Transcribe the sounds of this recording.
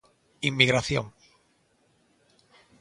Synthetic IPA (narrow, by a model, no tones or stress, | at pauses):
imːiɣɾaθjoŋ